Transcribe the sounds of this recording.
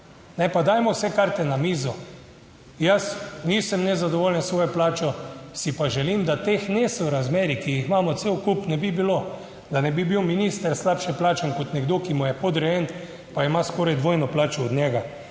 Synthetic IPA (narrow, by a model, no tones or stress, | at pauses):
nɛpad̪aːjmɔwsɛkaɾt̪ɛnamiːzɔ | jasniːsəmnɛzad̪ɔʋoːljənsʋoːjɔplaːt͡ʃɔsipaʒɛlimd̪at̪exnesɔɾazmeːɾikijixmaːmɔt̪sewkupnɛbibilo | d̪anɛbibiwminist̪əɾslapʃɛplaːt͡ʃankɔt̪nɛɡd̪okimujɛpɔd̪ɾɛjen | paimaskoːɾajd̪ʋoːjnɔplaːt͡ʃɔːd̪ɲɛːɡa